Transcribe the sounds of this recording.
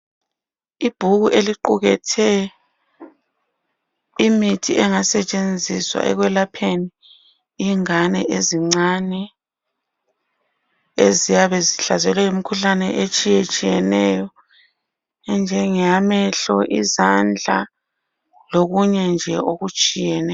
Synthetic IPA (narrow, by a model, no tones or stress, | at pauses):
ib̥ʱuɣuʔeliǃuɣɛtʰɛ | imitʰiʔɛŋasɛt͡ʃʼend͡zʱiswa̰ʔɛ̰ɣwɛlapʰeni | iŋanɛʔeziŋ͡ǀanɛ | ezijaβɛziɬazɛlɛjomikʰuɬanɛ̰ʔet͡ʃʼijet͡ʃʼijɛnɛjɔ | nd͡ʒʱɛŋɛjamɛɬɔʔizand͡ɮʱa̰ | loɣuɲɛnd͡ʒʱɛoɣut͡ʃʼijɛnɛ